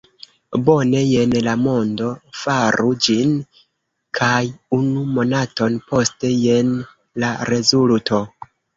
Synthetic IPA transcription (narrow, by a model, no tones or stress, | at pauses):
bo̞ne̞je̞nlamo̞ndo̞faɾud͡ʒin | kʰajunumo̞nato̞npo̞ste̞je̞n | laɾe̞zultʰo̞